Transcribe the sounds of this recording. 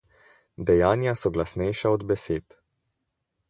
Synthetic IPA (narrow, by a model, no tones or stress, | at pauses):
d̪ɛjaːnjasɔɡlasnɛjʃaɔd̪bɛseːt̪